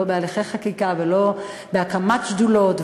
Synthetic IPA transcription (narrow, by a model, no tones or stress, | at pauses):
obealiχejχakikavelo | beakamatt͡ʃd̪ulot̪v